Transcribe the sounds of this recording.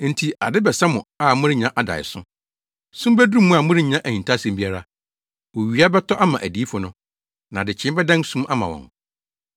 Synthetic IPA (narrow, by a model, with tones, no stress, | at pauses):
n̩˨tʰi˨a˨dɪ˦bɛ˨sa˦mʊ̃˨a˦˨mʊ̃˦ɾɪ˦ɲã˦ʔa˨da̰˨ɪ̰˨sʊ̰̃˦ | sũ˦m˦bæ˦du˦mũ˦a˨mʊ̃˦ɾɪ˦ɲ˨ã˦ʔæ˨hĩ˨n˨tʰa˦sɛ̃˨mbi˦a˦ɾa˦ | wo˨ɥi˨˦a˦bɛ˦tʰɔ˦ʔa˦mã˨ʔæ˨di˨˦fʊ˨nʊ̃˦ | nã˨dɪ˨t͡ɕʰɪ̃˦bɛ˦dã˦n˦sũ˦ma˦mã˨wɔ̰̃˨ŋ